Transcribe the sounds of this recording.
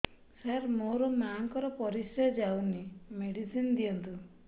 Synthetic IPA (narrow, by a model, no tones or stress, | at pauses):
saɾmoɾɔmaŋkɔɾɔpɔɾisɔd͡ʒawnimeɽisind̪iɔnt̪u